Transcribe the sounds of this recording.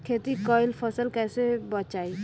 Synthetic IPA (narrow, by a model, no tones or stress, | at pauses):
kʰeːt̪ikɔːɪlpʰəsəlkɛːsebət͡ʃaːi